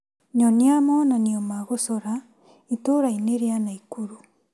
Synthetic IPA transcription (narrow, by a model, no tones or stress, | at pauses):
ɲɔniamɔnaniɔmaɣosɔɾa | itoɾaineɾeanaikuɾu